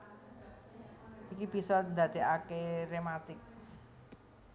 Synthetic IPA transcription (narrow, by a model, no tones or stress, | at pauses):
ʔikib̥i̤sɔnd̪ä̤d̪̥e̤ʔakeɾemat̪ɪk̚